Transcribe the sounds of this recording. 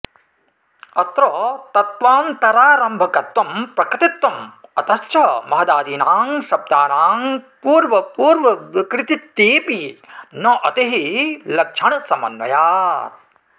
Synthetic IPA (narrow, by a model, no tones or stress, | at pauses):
ɐt̪ɾɔːt̪ɐt̪ʋaːmt̪ɐɾaːɾɐmbʱɐkɐt̪wɐmpɾɐkɾɪt̪it̪wɐmɐt̪ɐst͡ʃʰɐmɐɦɐd̪aːd̪iːnaːŋʃɐb̚d̪aːnaːmpuːɾʋɐpuːɾʋɐʋikɾɪt̪it̪ːiːpinɐʔɐt̪iɦilɐkʂʰɐɳɐsɐmɐ̰nʋɐ̰jaːt̪̚